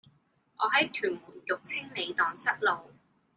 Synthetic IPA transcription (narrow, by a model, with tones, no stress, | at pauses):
ʔɔː˨˧ɦɐ˨˥jt̪ʰyː˨˩nmuː˨˩njʊ˨k̚t͡sʰɪ˥ŋle˨˧jt̪ɔː˨˧ŋsɐ˥t̚lo˨w